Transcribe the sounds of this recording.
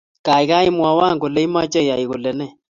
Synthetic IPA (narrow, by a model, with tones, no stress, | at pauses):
ka˨i˨ɣa˦i˦mwa˨wa˦˨ŋɡɔ˨lɛ˦i˦ma˦t͡ʃɛ˦ja˨i˨ɣo˨lɛ˨nɛ˦˨